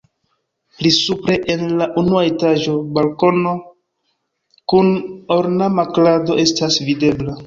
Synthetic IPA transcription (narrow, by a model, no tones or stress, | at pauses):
plisupɾe̞ʔenlaʔunuaetaʒo̞balko̞no | kunoɾnamaklado̞ʔe̞stasvide̞bla